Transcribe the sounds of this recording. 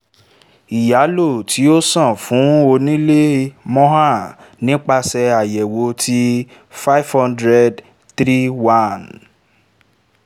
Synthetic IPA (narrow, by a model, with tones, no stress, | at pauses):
i˨ja˨˦lo˦˨tʰi˨˦o˦sã˦˨fũ˨˦o˧nĩ˦le˦mɔ̃˦ɦa˦˨nĩ˨˦k͡pa˧sɛ˧a˨jɛ˨wo˨˦tʰi˦ | fa˦jfhɔ̃˦ndɾɛ˦d | t̪ɾi˦wã˦˨n